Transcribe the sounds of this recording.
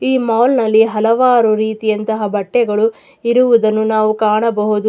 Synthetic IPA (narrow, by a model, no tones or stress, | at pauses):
iːmɐːwlnɐlːiɦɐlɐʋaːɾuɾiːt̪ijɐnt̪ɐɦɐbɐʈːɛɡɐɭu | iɾuʋud̪ɐnːunaːʋukaːɳɐbɐɦud̪u